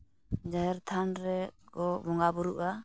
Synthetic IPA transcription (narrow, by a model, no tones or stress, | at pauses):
d͡ʒaɦɛɾt̪ʰanɾɛɡɔbɔŋɡabuɾuʔa